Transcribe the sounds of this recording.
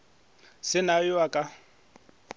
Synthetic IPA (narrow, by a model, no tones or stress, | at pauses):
sɪnajʊakʼa